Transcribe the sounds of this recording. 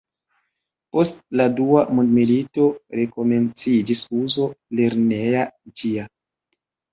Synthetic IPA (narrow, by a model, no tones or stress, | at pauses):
po̞stladuamondmilito̞ɾe̞ko̞me̞nt͡sid͡ʒisuzo̞le̞ɾnejad͡ʒia